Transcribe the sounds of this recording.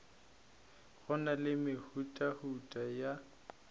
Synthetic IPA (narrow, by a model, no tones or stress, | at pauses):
ɣɔnalɪmɪhutʼahutʼaja